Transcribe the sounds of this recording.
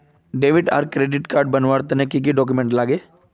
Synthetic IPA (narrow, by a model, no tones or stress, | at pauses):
ɖeːʋɪɖa̰ɾkɾeːɖɪʈkaːɾɖ̚bɐnʋaːɾt̪nekik̬iɖɔːk̬umẽɳʈlaːɡeː